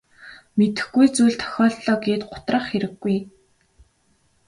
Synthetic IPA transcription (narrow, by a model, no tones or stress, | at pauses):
met̪ɘ̥̆xɡujt͡suːɮt̪ʰœ̥xʲɔːɮɔːɡeːt̪ɢʊt̪rə̆χxeɾɘ̆ɡːuj